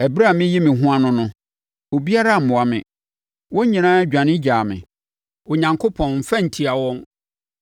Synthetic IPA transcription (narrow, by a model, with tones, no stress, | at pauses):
ɛ˨bɾa˦˨mɪ̃˦ji˦mɪ̃˨ɦʊ̃˦a˦nʊ̃˦nʊ̃˦ | o˨bi˦a˦ɾa˦˨mʊ̃˨a˨mɪ̰̃˨ | wɔ̃˦ɲĩ˨nãː˦d͡ʑᶣã˨nɪ̃˦d͡ʑaː˨mɪ̰̃˨ | o˨ɲã˨ŋkʰo˦pʰɔ̃˨nm̩˨fã˦n̩˨tʰi˨a˨wɔ̃˦n